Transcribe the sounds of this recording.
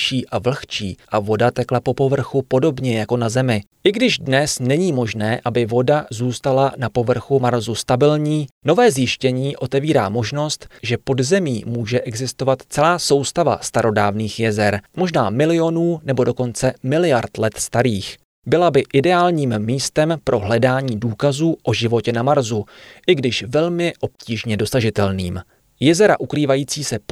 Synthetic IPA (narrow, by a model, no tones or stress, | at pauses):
ʃiːʔavl̩xt͡ʃḭːʔavo̞dat̪ɛklapo̞po̞vr̩xupo̞do̞bɲɛjako̞nazɛmɪ | ʔɪɡdɪʒdnɛsnɛɲiːmo̞ʒnɛːʔabɪvo̞dazuːst̪alanapo̞vr̩xumaɾzust̪abɪlɲiːno̞vɛːzjɪʃcɛɲiːʔo̞t̪ɛviːɾa̰ːmo̞ʒno̞st̪ʒɛpo̞dzɛmiːmuːʒɛʔɛɡzɪst̪o̞vat̪t͡sɛlaːso̞wst̪ava̰st̪aɾo̞daːvniːxjɛzɛɾmo̞ʒnaːmɪlɪo̞nuːnɛbo̞do̞ko̞nt͡sɛmɪlɪjaɾt̪lɛt̪st̪aɾiːx | bɪlabɪʔɪdɛaːlɲiːmːiːst̪ɛmpɾʔo̞ɦlɛdaːɲiːduːkazuːʔo̞ʒɪvo̞cɛnamaɾzuʔɪɡdɪʃvɛlmɪʔo̞p̚ciːʒɲɛdo̞saʒɪt̪ɛlniːm | jɛzɛɾa̰ʔukɾiːvajiːt͡siːsɛ